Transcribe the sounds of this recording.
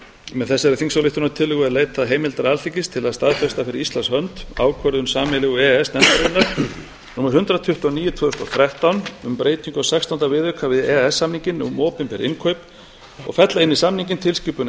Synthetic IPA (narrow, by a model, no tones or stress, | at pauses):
mɛðθɛsːaɛɾɪθiŋsalɪht̪ʏnaɾt̪ʰɪlːʏɣʏaɾleːjt̪aðɦeːjmɪlt̪aɾalθicɪst̪ʰɪlaðst̪aðfɛst̪afɪɾɪɾist̪lanshœnt̪a̰ːwkʰœɾðʏnsaːmɪlɪɣuɛɛsnɛnt̪aɾɪnːaɾ̥ | numaɾ̥hʏnt̪ɾat̪ʰʏht̪uɔniːjʏt̪ʰvœːðʏst̪ɔθɾɛht̪awnʏmpɾeːjt̪niŋkɔasɛkst̪awnt̪avɪðʏkʰavɪðɛɛsːamniɲcɪnːmɔːpɪmpɛɾɪ̰nkʰœɥp | ɔ̰ɣfɛt̪laɪnːisamniŋɲcɪnt̪ʰɪlscipʏn